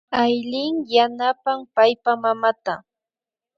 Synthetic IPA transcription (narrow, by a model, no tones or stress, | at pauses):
ajlɪŋjanapampajpamamat̪a